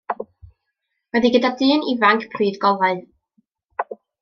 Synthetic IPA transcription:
wɛðiɡədadɨːnivaŋkʰpʰriːdɡɔvaɨ

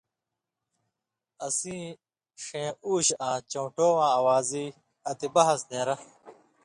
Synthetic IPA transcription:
ɐsĩː | ʂẽːuːɕãːt͡ɕõːʈoːwãːɐwaːziː | ɐt̪ibɐɦɐsnẽːɾɐ

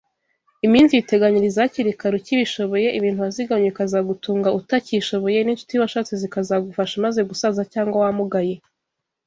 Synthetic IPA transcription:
imiːnziite̞ɡaɲiɾizaciɾikaɾuciβiʃo̞βo̞je̞ʔiβiːn̥tuaziɡaɲeikazaɡutuːŋɡaʔutaciʃo̞βo̞je̞nint͡ʃu̥tiwaʃat͡sizikazaɡufaʃamaze̞ɡusazacaːŋɡwawamuɡaje̞

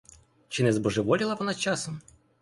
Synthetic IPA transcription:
t͡ʃɪnɛzbɔʐɛʋɔlʲilˠɐʋɔnat͡ʃasɔm

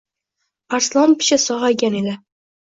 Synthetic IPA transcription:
paɾslˠɒmpʰɪ̥ʃasɒʁajɡʲane̞d̪ɪ

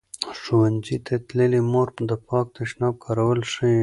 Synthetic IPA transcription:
ʂuwanzit̪ʰat̪ləlimoɾd̪əpɑk̚t̪aʃnɑb̚kʰɑɾawəlʂə

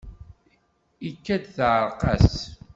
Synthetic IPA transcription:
ikːæd̪θʕəɾˤqɑs

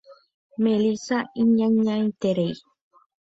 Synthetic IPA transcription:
mẽlisaiɲãɲãĩt̪eɾej

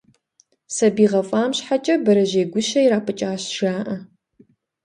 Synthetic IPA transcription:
sɐbiːʁɐfʼaːmɕħat͡ʃʼɐbɐɾɐʒeːɡʷʊʃɐjiɾaːpʰɨt͡ʃʼaːɕʒ̥aːʔɐ

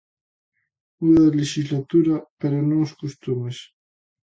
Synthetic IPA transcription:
uððɐleʃizlat̪uɾɐpeɾonõŋoskust̪umes

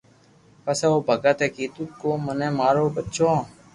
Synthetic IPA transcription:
pəseːoːbʱəɡət̪eːkiːt̪ukːoːmənẽːmaːɾoːbətːʃʰõː

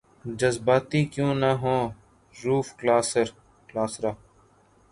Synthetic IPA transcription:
d͡ʒəzbaːt̪ikjõːnaɦõː | ɾuːfklaːsəɾ | klaːsɾaː

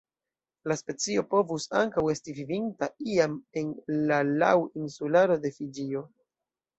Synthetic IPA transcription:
laspe̞t͡sio̞po̞vusa̰ŋkawe̞stivivintaiame̞nlala̰winsulaɾo̞de̞fid͡ʒio̞

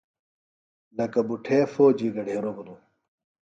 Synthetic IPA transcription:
nɐkɐbuʈʰeːfoːd͡ʑiːɡɐɖʱeːɾobunu

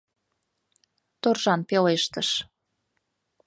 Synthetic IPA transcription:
t̪orʒɑnpeleʃt̪əʃ

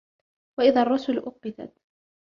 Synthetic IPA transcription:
waʔɪðaɑrˤːʊsʊlʔʊqːɪt̪a̰t̪

